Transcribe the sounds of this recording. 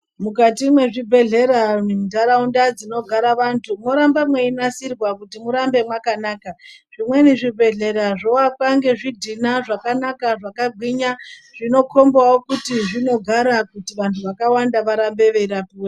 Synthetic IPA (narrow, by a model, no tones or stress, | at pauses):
mukatimwe̞ʐibʱe̞ɮe̞ɾanedaɾaundad͡zino̞ɡʱaɾaʋantʰumoɾambamwe̞inasirwakutimuɾambe̞mwakanaːkaʐ̥imwe̞niʐibʱe̞ɮe̞ɾaʐowakaŋɡe̞ʐidʱinaʐakanakaʐakaɡʱwiɲaʐino̞kʰo̞mbawokutiʐino̞ɡʱaɾakutiʋantʰuʋakawandaʋaɾambe̞ʋeiɾapuːwe